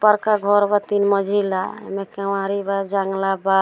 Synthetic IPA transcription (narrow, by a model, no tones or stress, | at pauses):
pəɾkaɡʱɔɾbət̪inməd͡ʒʱila̰mekewaɾibad͡ʒaŋɡlaba